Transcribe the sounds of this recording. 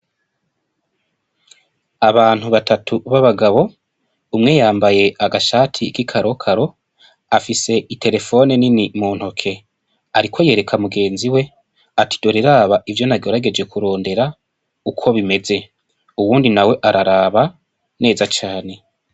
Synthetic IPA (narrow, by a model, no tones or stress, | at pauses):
aβaːn̥huβatʰatʰuβaβaɡaβo̞ | umŋe̞jaːmbaje̞ʔaɡaʃaːtʰikikʰaɾʔo̞kʰaɾo̞ | afise̞itʰe̞ɾe̞fo̞neninimuːn̥ho̞kʰe̞ | aɾikʰo̞je̞ːɾe̞kʰamuɡe̞ːnziwe̞ | ati̥d̥o̞ɾeɾaβaʔivjo̞naɡo̞ɾaɡe̞d͡ʒe̞kuɾo̞ːnde̞ɾa | ukʰo̞βime̞ze̞ | uwuːndinawe̞ʔaɾaɾaːβa | ne̞ːzat͡ʃaːne̞